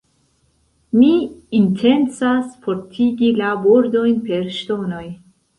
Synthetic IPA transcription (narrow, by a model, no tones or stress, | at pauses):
miintʰe̞nt͡sasfo̞ɾtʰiɡilabo̞ɾdo̞jnpe̞ɾʃto̞no̞j